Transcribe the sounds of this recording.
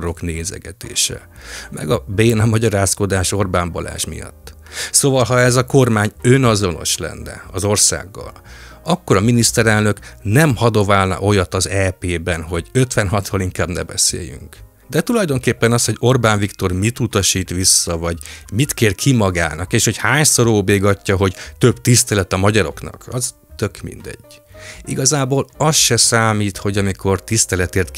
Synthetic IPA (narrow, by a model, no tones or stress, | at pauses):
ɾo̞kneːzɛ̰ɡɛt̪ḛːʃɛ̰ | mɛ̰ɡɒbeːnɒmɒɟɒɾaːsko̞d̪aːʃo̞rbaːmbɒla̰ːʃmḭjɒ̰t̪ː | soːvɒlɦɒɛzɒko̞rmaːɲønɒzo̞no̞̰ʃlɛ̰nːɛ̰ɒzo̞rsa̰ːɡːɒ̰lɒkːo̞ɾɒminist̪ɛɾɛlnø̞knɛmhɒd̪ovaːlnɒ̰ʔo̞jɒt̪ɒzɛpeːbɛnɦo̞ɟø̞t̪ʋɛnɦɒt̪holiŋkaːbnɛ̰bɛsḛːjy̰ŋk | d̪ɛt̪ulɒjd̪o̞ŋkeːpːɛnɒst̪ho̞ɟo̞rbaːnvikt̪o̞rmit̪ut̪ɒʃiːt̪ʋisːɒvɒɟmit̪keːrkʰimɒɡa̰ːnɒkeːʃho̞chaːɲso̞ɾoːbeːɡɒcːɒɦo̞ɟt̪ø̞bt̪ist̪ɛlɛt̪ɒmɒɟɒɾo̞̰knɒ̰kɒz | t̪ø̞kmḭnd̪ɛ̰ɟ̥ːḭɡɒzaːboːlɒsʃɛsaːmiːt̪ho̞ɟɒmikʰo̞rt̪ist̪ɛlɛt̪eːrt̪̚k